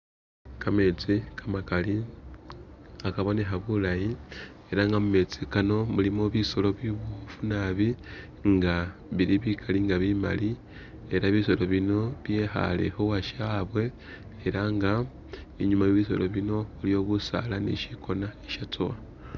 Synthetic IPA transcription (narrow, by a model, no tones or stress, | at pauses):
kame̞t͡sikʰamakali | akaβo̞ne̞xaβulajieɾaŋɡamume̞t͡sikano̞mulimoβiso̞lo̞βiβofunaβi | ŋɡaβiɾiβikʰaliŋɡaβima̰li | e̞ɾaβiso̞lo̞βino̞βje̞ːxa̰le̞̰xo̞waʃaːβwe̞ː | ɾaŋɡa | iɲumajoβis̬o̞̰lo̞βino̞ulijo̞ːβusa̰lanḛʃikʰo̞naeʃat͡sowa